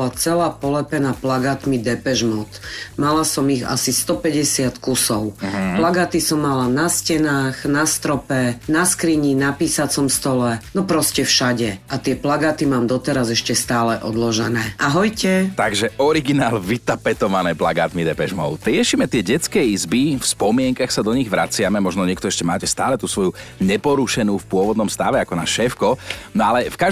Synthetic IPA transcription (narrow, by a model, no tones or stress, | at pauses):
lat͡sɛlaːpɔlɛpɛnaplaɡaːt̪mid̪ɛpɛʒmɔʊt̪malasɔmiɣa̰sist̪ɔpɛɟɛsɪat̪kusɔʊplaɡaːt̪isɔmːalanascɛnaːxnast̪ɾɔpɛnaskɾiɲinapiːsat͡sɔmst̪ɔlɛnɔpɾɔscɛfʃaɟɛʔat̪ɪɛplaɡaːt̪imaːmd̪ɔt̪ɛɾazɛʃcɛst̪aːlɛʔɔd̪lɔʒɛnɛːʔaɦɔjcɛt̪aɡʒɛʔɔɾiɡinaːlʋit̪apɛt̪ɔʋanɛːplaɡaːt̪mid̪ɛpɛʒmɔʊt̪ɾɪɛʃiːmɛt̪ɪɛɟɛt͡skɛjizbifspɔmɪɛŋkaxsad̪ɔɲiɣʋɾat͡sɪamɛmɔʒnɔɲɪɛk̚t̪ɔɛʃcɛmaːcɛst̪aːlɛt̪usʋɔjuɲɛpɔɾuʃɛnuːfpʊɔʋɔd̪nɔmst̪aʋɛakɔnaʃɛːfkɔnɔalɛfka